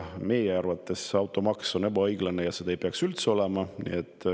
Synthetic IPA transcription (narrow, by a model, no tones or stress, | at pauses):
me̞jeɑrvɑt̪ːˑe̞sɑwt̪ˑo̞mɑkso̞ne̞bɑɤjɡ̥lɑne̞jɑse̞d̪ɑejpeɑksylt̪seo̞le̞mɑnḭet̪ˑː